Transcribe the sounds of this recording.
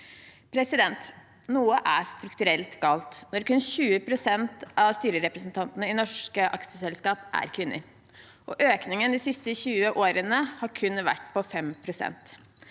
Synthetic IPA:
pʰɾɛsɪd̪ɛnt̪ | nuːəʔæst̪ɾʉkt̪ʉɾɛlt̪ɡɑːlt̪nɔɾkʉnɕʉːəpʰɾʊsɛnt̪ɑʋst̪yːɾəɾɛpɾəsn̩t̪ʰɑnt̪ənəɪnɔʂkəʔɑ̰ksəsɛlskɑːpʔæ̰ɾkʰʋɪnːə̰ɾ | ʔɔʔøːknɪŋənd̪isɪst̪əçʉːəʔoːɾənəhɑːɾkʰʉnʋæ̰ʈːpʰɔfɛmpʰɾʊsɛ̰nt̪

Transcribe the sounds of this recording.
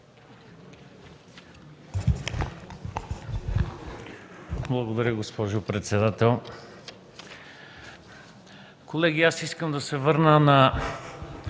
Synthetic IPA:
blˠɐɡod̪ɐɾʲəɡospɔʒopɾɛt̪sɛd̪at̪ɛlˠ | kolɛɡʲiasiskəmd̪ɐsɛvɤɾnənɐ

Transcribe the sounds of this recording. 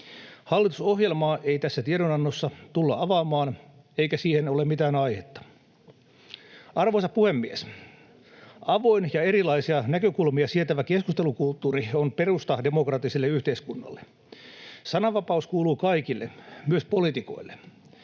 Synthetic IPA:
hɑlːit̪u̥sohjelmɑːʔeit̪æsːæt̪ieɾonɑnːosːɑt̪ulːɑʔɑʋɑːmɑːn | eikæsiːhenolemmit̪æːnɑihet̪ːɑ̥ | ɑrʋoisɑppuhemːies | ɑʋo̞injɑeɾilɑisiɑnækøkulmiɑsiet̪æʋækeskust̪e̞lukult̪ːuːrionperust̪ɑdemokrɑt̪ːˑisilːeyht̪eiskunːɑ̰lːe | sɑnɑʋɑpɑuskuːluːkɑikilːemyøspo̞lit̪iko̞̰ilːe

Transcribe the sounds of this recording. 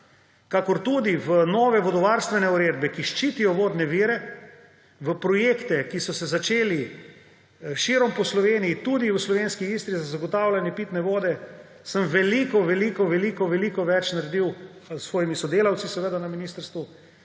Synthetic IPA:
kakɔɾt̪ud̪iʋənɔːʋɛʋɔd̪ɔʋaɾst̪ʋɛnɛuɾeːd̪bɛkiʃt͡ʃiːt̪ijɔʋoːd̪nɛʋiːɾɛ | ʋəpɾɔjeːkt̪ɛkisɔsɛzat͡ʃeːli | ʃiːɾɔmpɔslɔʋeːnijit̪ud̪iwəslɔʋenskiiːst̪ɾizazaɡɔt̪awlʲanjɛpit̪nɛʋoːd̪ɛ | səmʋɛlikɔʋɛlikɔʋɛlikɔʋɛlikɔʋɛt͡ʃnaɾɛd̪iw | sʋɔːjimisɔd̪eːlawt̪sisɛʋed̪anaminiːst̪əɾst̪ʋu

